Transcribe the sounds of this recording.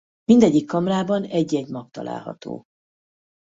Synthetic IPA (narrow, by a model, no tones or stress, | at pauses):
mind̪ɛɟːikːɒmraːbɒnɛɟːɛɟmɒk̚t̪ɒ̰lʔa̰ːlɦɒ̰t̪o̰ː